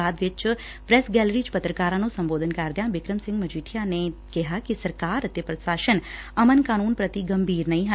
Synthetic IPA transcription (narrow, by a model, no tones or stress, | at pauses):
aːd̪ʋɪt͡ʃ | pɾɛsɡɛːlɾit͡ʃpət̪ɾəkaːɾãnũsɐ̃mboːd̪ʱənkaɾd̪jãʋɪkɾəmsɪ̃ŋɡməd͡ʒiːʈʰijanekɛɦakisəɾkaːɾət̪epɾəsaːʃənɐmənkaːnuːnpɾət̪iɡɐmbʱiːɾnɐɦĩɦə